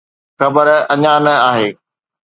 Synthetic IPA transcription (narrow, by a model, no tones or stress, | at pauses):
xɐbəɾɐɲanɐaːɦeː